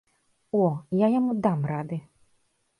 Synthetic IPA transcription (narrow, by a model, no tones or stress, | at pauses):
ɔjajamud̪amrad̪ɨ